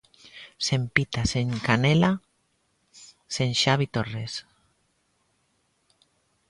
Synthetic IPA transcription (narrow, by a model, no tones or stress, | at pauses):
sempit̪aseŋkanela | senʃaβit̪ores